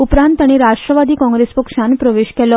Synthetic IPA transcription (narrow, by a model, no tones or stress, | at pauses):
upɾãnt̪aɽ̃iɾaʂʈɾəʋad̪iːkɔ̃ŋɡɾespəkʂãnpɾəʋeɕkɛlɔ